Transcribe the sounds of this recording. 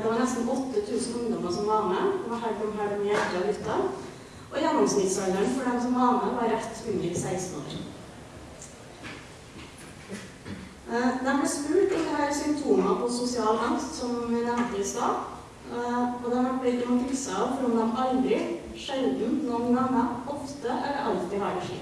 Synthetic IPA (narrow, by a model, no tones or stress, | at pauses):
d̪əʋɑːɾɳɛst̪n̩ɔt̪ːət̪ʰʉːsn̩ʊŋd̪ɔməsɔmʋɑːməd̪ɛmɑhæɪp̪ɔmɦæːɖɔmɪːɛlt̪əɑlʏt̪ːɑ | ʔɔjæːnɪŋsmɪd̪sœʏnəɳfɔɖɛmsɔmʋɑːməʋɑɾɛt̪ːhʉnd̪ɾəsæɪsn̩o̰ːɾ | d̪ɛɑblɪsmʉːʈ̪ɔt̪hæːɾsʏmpt̪ʰuːmɑpʰɔsʊsɪɑːlɑŋst̪sɔmʋɪnɛmt̪əɪst̪ɑː | ɔd̪ɛɑɾʋæʈ̚bɪt̪mɑp̪lɪsəɑːʋfɾɔːnɑmɑld̪ɾɪ | ʃɛld̪n̩nɔnɡɑŋːəɔft̪əʔæʋɛʔɑlt̪ɪhɑːɾəʂḭː